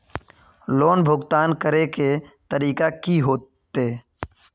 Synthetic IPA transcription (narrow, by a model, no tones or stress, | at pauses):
loːnbʱʊɡt̪aːnkəɾeket̪əɾiːkakiɦoːt̪ː | e